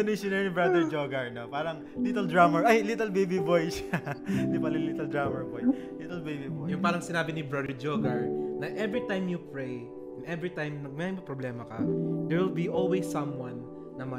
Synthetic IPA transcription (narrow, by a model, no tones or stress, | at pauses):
ɐnɪʃʊnɛɹnɪbɹad̪ɛɹd͡ʒoɡɐɹnopaːɾɐŋ | lit̪ɛld̪ɹamɛɹʔajlit̪ɛlbejbibojʃad̪ɪbalɪlit̪ɛld̪ɹamɛɹbojlit̪ɛlbejbibojjʊŋpaːɾɐŋsɪnaːbɪnɪbɹad̪ɛɹd͡ʒoɡɐɹnɐʔɛvɹɪt̪ãjmjʊpɹej | ɛnɛvɹɪt̪ãjmnɐɡ̚mɛɪmbɐpɾoblɛːmɐkɐ̰d̪ɛɹwɪlbiʔolwesːɐ̃mwɐ̃nː | ɐmɐ